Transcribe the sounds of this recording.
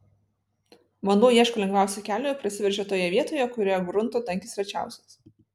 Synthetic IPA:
mɐnoːjiɛʃkoːlʲɛŋɡʋʲæˑʊsʲɛkʲæːlʲoːjɛpʲɾɐsʲɪʋʲɛɾʲʒʲɛt̪oːjɛʋʲiɛt̪oːjɛkʊɾʲeːjɔɡɾʊnˑt̪oːt̪ɐŋʲkʲɪsʲɾʲɛt͡ʃʲæ̰ˑʊsʲɛs

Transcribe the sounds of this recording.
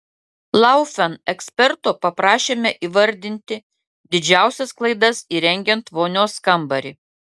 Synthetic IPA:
lˠɑˑʊfʲɛnɛksʲpʲɛɾt̪oːpɐpɾɑːʃʲeːmʲɛʔiːʋɐɾʲd̪ʲɪnʲt̪ʲɪ | d̪ʲɪd͡ʒʲæˑʊsʲɛsklˠɐɪd̪ɐsiːɾʲɛŋʲɡʲɛnt̪ʋoːnʲoːskɐmbɐɾʲi

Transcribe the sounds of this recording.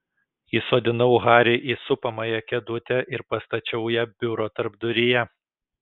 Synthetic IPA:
jiːsoːd̪ʲɪnɐʊɣɑːɾʲeɪʔiːsʊpɐmɐjɛkʲɛd̪ʊt̪ʲɛʔɪɾpɐst̪ɐt͡ʃʲɛʊjɛbʲʊɾoːt̪ɐɾbd̪ʊɾʲɪjɛ

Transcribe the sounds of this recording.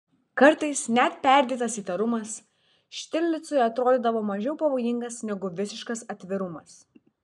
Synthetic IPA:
kɐɾt̪ɐɪsnʲɛt̪̚pʲɛˑɾʲd̪ʲiːt̪ɐsiːt̪ɐɾʊmɐs | ʃʲt̪ʲɪlʲlʲɪt̪sʊjɐt̪ɾoːd̪ʲiːd̪ɐʋoːmɐʒʲɛʊpɐʋoːjɪŋɡɐsnʲɛɡʊʋʲɪsʲɪʃkɐsɐt̪ʲʋʲɪɾʊmɐs

